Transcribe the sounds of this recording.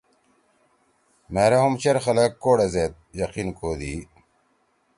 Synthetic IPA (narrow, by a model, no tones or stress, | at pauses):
meːɾɐɦumt͡ɕeɾxɐlɐkːoːɽezet̪̚jɐqinkoːd̪iː